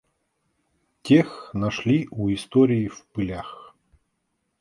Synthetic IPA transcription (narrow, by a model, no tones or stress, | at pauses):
tʲexnaʂlʲiʔuist̪ɔɾʲijifpɨlʲax